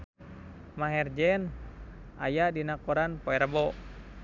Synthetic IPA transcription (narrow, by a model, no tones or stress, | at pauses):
maɦɛrd͡ʒɛnʔa̰jadinakɔɾanpɔɛɾəbɔ